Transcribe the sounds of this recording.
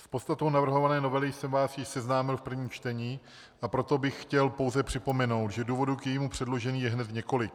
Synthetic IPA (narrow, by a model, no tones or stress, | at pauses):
spot̪st̪at̪ownavr̩ɦo̞vanɛːno̞vɛlɪjsɛmvaːsjɪʃsɛznaːmɪlfpr̩vɲiːt͡ʃt̪ɛɲiː | ʔapɾo̞t̪o̞bɪxxcɛlpowzɛpr̝̥ɪpo̞mɛno̞wt̪ʒɛduːvo̞dukjɛjiːmupr̥ɛdlo̞ʒɛniːjɛɦnɛt̪ɲɛko̞lɪk̚